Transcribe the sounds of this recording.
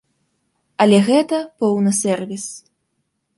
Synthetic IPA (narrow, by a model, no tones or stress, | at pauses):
ɐlʲɛɣɛt̪ɐpɔwnɨsʲɛrvʲis